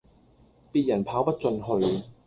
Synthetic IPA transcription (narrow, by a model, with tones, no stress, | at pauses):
piː˧t̚jɐ˨˩npʰaː˨˧˥wpɐ˥t̚t͡sɵ˧nɦɵ˧ɥ